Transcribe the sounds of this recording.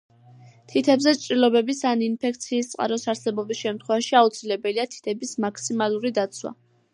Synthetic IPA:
t̪ʰit̪ʰɛbzɛt͡ʃʼɾilˠɔbɛbisaninpʰɛk̚t̪sʰiːst̪sʼqʼa̰ɾɔsaɾsɛbɔbisʃɛmt̪ʰχwɛvaʃiaut̪sʰilɛbɛliat̪ʰi̥t̪ʰɛbismaksimalˠuɾid̪at̪sʰwa̰

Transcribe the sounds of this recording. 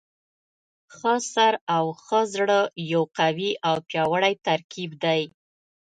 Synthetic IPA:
xəsaɾawxəzɽəjawqawiʔawpjɑwəɽajt̪aɾkibd̪aj

